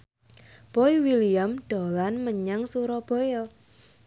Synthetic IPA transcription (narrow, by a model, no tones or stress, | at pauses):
pɔiwilijamɖ̥o̤lanməɲaŋsuɾɔb̥ɔjɔ